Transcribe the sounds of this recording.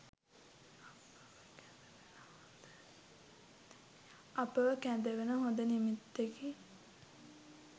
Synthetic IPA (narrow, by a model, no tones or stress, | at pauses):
ʔɐpəʋəkænd̪eʋenəɦõnd̪ənimit̪ːeɡi